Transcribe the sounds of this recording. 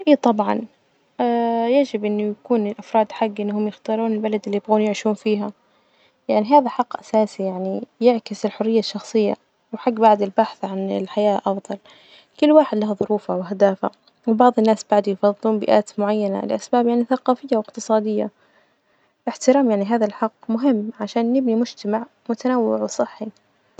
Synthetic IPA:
ʔiːt̪ˤɑbʕɑ̰n | ajad͡ʒɪbʔɪnːʊjakuːnɪlʔafɾˤɑːd̪ħaɡːʔɪnːhʊmjɪxt̪ɑːɾˤuːnɪlbalad̪ɪlːijbɣuːnjɪʕʃuːnfiːɦa | jaʕniɦaːðaħaqːʔasaːsijaʕnijɪʕkɪsɪlħʊrːɪjːaʃːɑxsˤɨjːa̰ | wɪħaɡːbaʕd̪ɪlbaħθʕanɪ̰lħajaːʔɑfd̪ˤɑl | kʊlːwaːħɪd̪laɦðˤʊɾuːfawɪɦad̪aːfa̰ | wbɑʕðˤɪnːaːsbaʕd̪ujfɑðˤːɨluːnbɪʔaːt̪mʊʕajːana̰lɪʔasbaːbjaʕniθaqɑːfɪjːawɪqt̪ɨsˤɑːd̪ɪjːa | lɪħt̪ɪɾaːmjaʕniɦaːðalħɑqːmʊɦɪmːʕaʃaːnjɪbnimʊd͡ʒt̪amaʕ | mʊt̪anawːɪ̰ʕwsˤɨħːi

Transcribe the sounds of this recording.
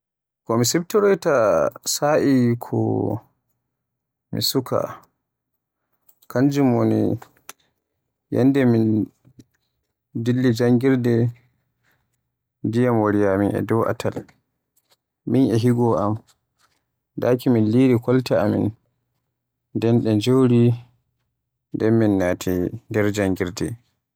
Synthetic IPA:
kɔmisɛbtɔɾɔjtasaʔikʰɔ̰ | mḭsuka̰ | kand͡ʒumonḭ | jɛ̰ndɛmin | dilːid͡ʒaŋɡiɾdɛ | dijamwaɾijaminɛ̰dɔwʔa̰tʰal | minɛɦiɡɔʔam | daːkiminliɾikɔltaamḭn | dɛnɗɛd͡ʒowɾi | ndɛmːinːaːtʰindɛɾd͡ʒaŋɡiɾdɛ̰

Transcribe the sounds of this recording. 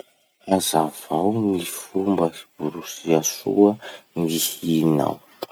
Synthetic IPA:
azav̥awnifumbəib̥uɾusiasṵənihina̰w

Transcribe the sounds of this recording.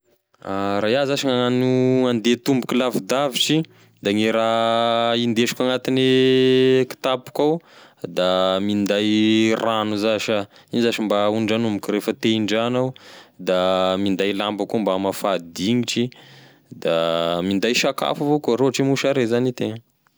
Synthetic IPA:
aɾajazaʃiŋaanuand̪et̪umbukilavid̪aviʈ͡ʂi | d̪aŋiɾa | ind̪eʃu̥kʲaŋat̪ini | ki̥t̪apu̥kawd̪amind̪ajranuzaʃa | inizaʃimbauɖ͡ʐanumikʲiɾefət̪eiɳɖ͡ʐanawd̪amind̪ajlambakumbamafad̪iŋiʈ͡ʂi | d̪amind̪ajʃaka̰favokuɾoʈ͡ʂimuʃaɾezanit̪eŋə

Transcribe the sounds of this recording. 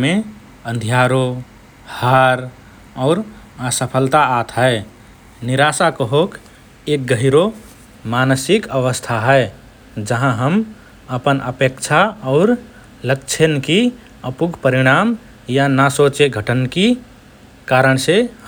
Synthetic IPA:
mẽ | ə̃nd̪ʱjaɾo | haɾ | ɔːɾ | asəpʰəlt̪aːt̪ʰɦəe | niɾasakəɦok | ek̚ɡəɦiɾo | manəsɪkəʋəst̪ʰaɦɛe | d͡ʒəɦãɦəm | əpənʔə̰pekt͡ʃʰaɔːɾ | ləkt͡ʃʰənki | əpuɡʱpəɾiɽ̃am | janasot͡ʃeɡʱəʈənki | kaɾəɳ̃se

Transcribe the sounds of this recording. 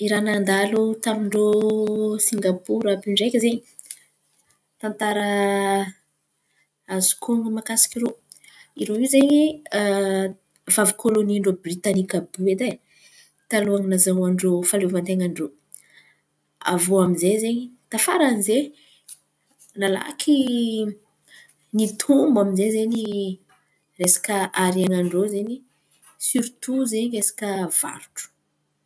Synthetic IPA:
iɾanand̪alut̪amiɳɖ͡ʐo | siŋɡapuɾapiɳɖ͡ʐejkʲəzeɲi̥ | t̪ant̪aɾə | azu̥kʰoŋɡumakasi̥kʲiɾo | iɾoezeɲi | vavukʰoloniɳɖ͡ʐobrit̪anikabued̪a | t̪aluaŋinazawaɳɖ͡ʐofaluvant̪eŋaɳɖ͡ʐo | a̰voaminzezeɲit̪afaɾanize | nala̰kʰi | nit̪ʰumbaminzezeɲi | resḁkəʔaɾaŋaɳɖ͡ʐozeɲi | syɾit̪uzeɲiesḁkəv̥a̰ɾuʈ͡ʂu̥

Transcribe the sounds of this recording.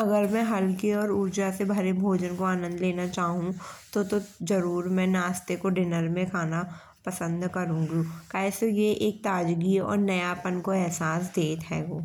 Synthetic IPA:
ɐɡəɾmɛ̃ɦɐlkeɔːɾʊɾd͡ʒasebʱɐɾebʱoːd͡ʒənkoaːnə̃nd̪leːnat͡ʃaːɦũt̪ot̪ozɐɾuːɾmɛ̃ːnaːst̪ekoɖɪnəɾmẽkʰaːna | pɐsə̃nd̪kɐɾũːɡikaːɪsojeʔeːk̚t̪aːd͡ʒɡiɔ̰ːɾnɐjapənkoɛɦsaːsd̪eːt̪ɦɛːɡoː

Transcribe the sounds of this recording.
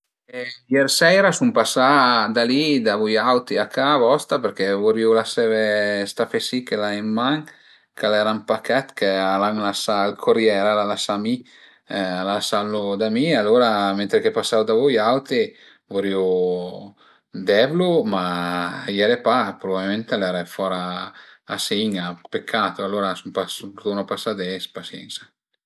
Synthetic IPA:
ɛjɛɾsɛjɾasumpasad̪alid̪avujawt̪iakavɔst̪apeɾkɛvoɾiulasɛvest̪afesikelaemːaŋ | kalɛɾampakɛt̪kealaŋlasalkʰoɾjɛɾalalasami | alasalːod̪amialoɾament̪ɾekepasːawd̪avojawt̪i | voɾio | d̪ɛvlomajɛɾepapɾobabilment̪alɛɾɛfɔɾaː | siɲapekʰːat̪oalːoɾasumpasd̪onopasːad̪ɛspasjɛ̰nsḁ

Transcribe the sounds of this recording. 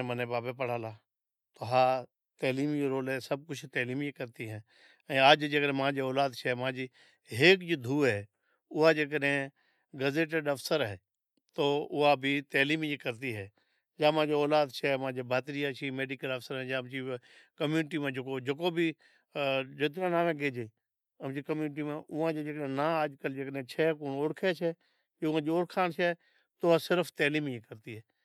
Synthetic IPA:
mənẽbaːbepəɽ̤aːlaː | t̪oɦaː | t̪ɛːliːmjoɾoːlɦɛsəb̚kʊt͡ʃʰt̪ɛːliːmjekəɾt̪iɦɛ̃ː | ɛ̃ːaːd͡ʒd͡ʒekəɾmãːd͡ʒeɔːlaːd̪t͡ʃʰɛmãːd͡ʒi | ɦeːkd͡ʒod̪ʱuːɦɛː | ʊɦad͡ʒeːk̬əɗɦẽ | ɡəzeːʈeɖəfʰsəɾɦɛː | t̪oːʊɦabʱit̪ɛːliːmjekəɾt̪̬iɦɛː | d͡ʒaːmãːd͡ʒeɔːlaːd̪t͡ʃʰɛːmãːd͡ʒeːbʱaːt̪ɾijat͡ʃʰiːmeːɖiːkələfsəɾɦɛ̃ːd͡ʒaːmt͡ʃikəmjuːnʈ̬iːmãːd͡ʒəkod͡ʒəkoːbʱiː | d͡ʒɪt̪̬ɾãːnaːmẽːɡeːd͡ʒeː | əmd͡ʒiːkəmjuːnʈ̬iːmãːʔʊʋãːd͡ʒeːd͡ʒeːkəɗɦẽːnãːaːd͡ʒkəld͡ʒeːkəɗɦẽːt͡ʃʰɛːkoːnʊɽkʰɛːt͡ʃʰɛː | ʊãːd͡ʒiʊɽkʰaːnt͡ʃʰɛː | t̪oʊaːsɪɾəfʰt̪eːliːmjiːkəɾt̪iːɦɛː

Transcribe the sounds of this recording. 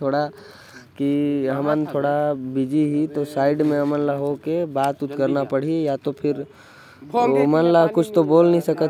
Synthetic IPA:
t̪ʰoɽa | kiɦəmənt̪ʰoːɽabid͡ʒiɦit̪osaːɪɖmẽəmənlaɦokebaːt̪ʊt̪kəɾnapəɽ̤ijat̪opʰɪɾ | omənlakʊt͡ʃʰt̪oboːlnəɦĩsəkət̪

